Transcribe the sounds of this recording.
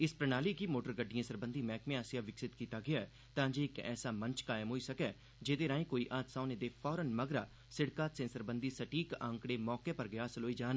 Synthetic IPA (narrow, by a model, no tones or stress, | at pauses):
ɪspɾənaːliːkiːmoːʈəɾɡəɖːijãːsəɾbənd̪iːmɛːkmẽːaːsɪjãːʋɪksɪt̪kiːt̪aːɡɪaːɛ | t̪ãːd͡ʒeːɪkɛ̰ːsaːmə̃nt͡ʃkaːɪmɦoːiːsəkɛː | d͡ʒeːd̪eːɾaːĩːkoːiːʔaːt̪saːned̪eːpʰɔːɾənməɡɾaː | sɪɽkaːt̪sẽːnsəɾbənd̪iːsəʈiːkə̃ŋkɽeːmɔːkeːpəɾɡɪaːsəloːiːd͡ʒaːn